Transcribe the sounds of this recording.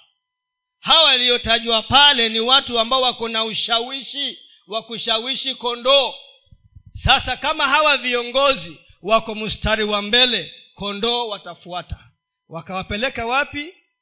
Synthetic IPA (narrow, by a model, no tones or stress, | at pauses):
hawalijɔtaʄwapalɛniwatuambaɔwakɔnauʃawiʃi | wakuʃawiʃikɔndɔː | sasakamaɦawaviɔŋɡɔzi | wakɔmustaɾiwambɛlɛkɔndɔːwatafuatḁ | wakawapɛlɛkawapi